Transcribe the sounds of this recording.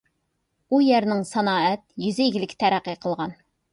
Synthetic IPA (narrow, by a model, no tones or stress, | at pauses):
ujɛɾnɪŋsɑnɑːɛt̪jyzɪjiɡʲɪlɪkʲt̪ʰæɾæqːijqʰəlˠʁɑn